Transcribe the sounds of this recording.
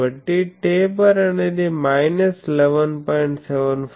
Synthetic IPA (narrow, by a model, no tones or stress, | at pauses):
əʈːiʈebəɾɐned̪imajnəsleʋənpɔɪɳʈseʋənfʰ